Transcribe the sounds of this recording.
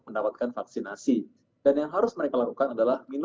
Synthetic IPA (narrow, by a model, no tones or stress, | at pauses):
məndapat̪̚kanfak̚sinasi | d̥anjaŋɦaɾʊsməɾekalakukanadalahmin